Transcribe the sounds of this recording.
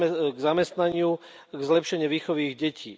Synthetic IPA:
ɡzamɛst̪naɲɪu | ɡzlɛpʃɛɲɪɛʋiːxɔʋiːɣɟɛcʰḭː

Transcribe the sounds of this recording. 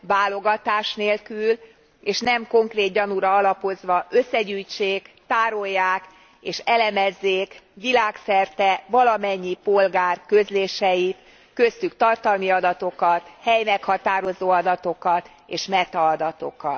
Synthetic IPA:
vaːlo̞ɡɒt̪aːʃneːlkyl | eːʃnɛmko̞ŋkreːd̪̚ɟɒnuɾɒɒlɒpo̞zʋɒʔø̞sːɛɟyːjt͡ʃeːkt̪aːɾo̞jːaːk | eːʃɛlɛmɛzːeːkʋilaːksɛrt̪ɛvɒlɒmɛɲːipo̞lɡaːrkø̞zleːʃɛjit̪ | kø̞st̪ykt̪ɒrt̪ɒlmiɒd̪ɒt̪o̞kɒt̪hɛjnɛkhɒt̪aːɾo̞zoːɒd̪ɒt̪o̞kɒt̪ | eːʃmɛt̪ɒːd̪ɒt̪o̞̰kɒt̪

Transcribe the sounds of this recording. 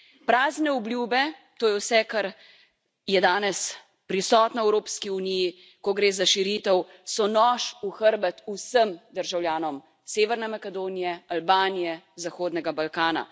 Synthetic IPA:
pɾaːznɛɔbljuːbɛ | t̪oːjɛwsɛkaɾ | jɛd̪aːnɛs | pɾisɔːt̪naɛwɾoːpskiuniji | kɔɡɾeːzaʃiɾit̪ɛw | sɔnɔːʃuxəɾbɛt̪usəmd̪əɾʒawljaːnɔm | seːʋɛɾnɛmakɛd̪oːnijɛalbaːnijɛ | zaxoːd̪nɛɡabalkaːna̰

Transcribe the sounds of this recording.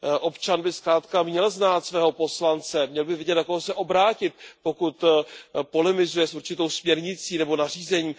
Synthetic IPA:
ʔo̞pt͡ʃanbɪskɾaːt̪kamɲɛlznaːt̪svɛːɦo̞po̞slant͡sɛmɲɛlbɪvɪɟɛt̪nakoɦosɛʔo̞bɾaːcɪt̪̚po̞kut̪po̞lɛmɪzujɛsuɾt͡ʃɪt̪o̞wsmɲɛɾɲɪt͡siːnɛbo̞nar̝iːzɛɲiːm

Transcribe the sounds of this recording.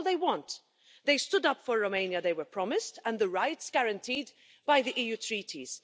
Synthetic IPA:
lˠðeɪwɔ̃nt | ðeɪstʊdʌpfɔɹːomẽɪ̃njəðeɪwə˞pʰɹ̥ɑmɪstə̃nðəɹaɪtsɡ̥aɹə̃ntʰiːd | baɪðiʔiːjuːtʰɹiːtʰḭz̥

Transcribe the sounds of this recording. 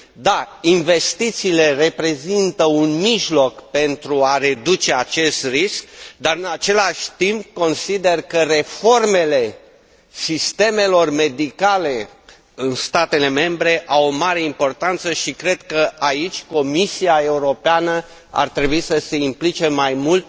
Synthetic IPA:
d̪ainve̞st̪it̪siːle̞re̞pɾe̞zint̪əunmiʒlo̞kpe̞nt̪ɾuaɾe̞d̪ut͡ʃe̞at͡ʃe̞st̪riskd̪aɾɨnat͡ʃe̞laʃʲt̪imp̚ko̞nsid̪e̞rkəɾe̞fo̞rme̞le̞ | sist̪e̞me̞lo̞rme̞d̪ikale̞ | ɨnst̪at̪e̞le̞me̞mbɾe̞ʔawomaɾe̞impo̞rt̪ant̪səʃikɾe̞d̪kəʔait͡ʃʲko̞misiae̞uɾo̞peanə | a̰rt̪ɾe̞buisəse̞implit͡ʃe̞majmult̪̚

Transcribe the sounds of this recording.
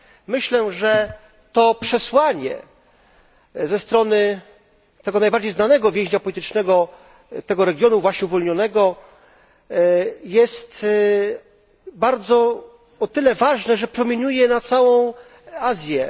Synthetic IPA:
mɘɕlɛʐɛ | t̪ɔpʂɛswaɲɛ̰ | zɛst̪ɾɔnɘ | t̪ɛɡɔnajbaɾd͡ʑejznanɛɡɔvʲɛ̃ʑɲapɔlʲit̪ɘt͡ʂnɛɡɔ | t̪ɛɡɔɾɛɡʲjɔnuvwaɕɲɛuvɔlɲɔnɛɡɔ | jɛst̪ | baɾd̪zɔ | ɔt̪ɘlɛvaʐnɛʐɛpɾɔmʲjeɲujɛnat̪sawɔ̃w̃ | azʲjɛ

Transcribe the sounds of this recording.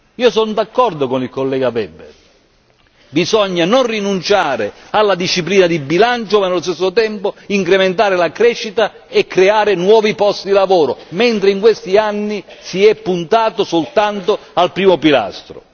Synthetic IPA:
iːosond̪akːɔrd̪ʊkonilkolːɛːɡavɛbːḛ | bizɔɲːanonrinunt͡ʃaːɾɪalːad̪iʃːipliːnad̪ibːilant͡ʃʊmanelːost̪es̬ːot̪ɛmpoiŋkɾement̪̬aːɾɪlakɾɛʃːit̪a | ɛkːɾeaːɾɪnwɔːvipɔst̪id̪ilavoːɾʊment̪ɾɪiŋkwest̪ianːisiɛpːunt̪aːt̪ʊsolt̪ant̪ʊ | alpɾiːmopila̰st̪ɾʊ̰

